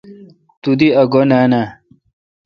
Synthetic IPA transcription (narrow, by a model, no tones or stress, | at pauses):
t̪ud̪iɐɡonana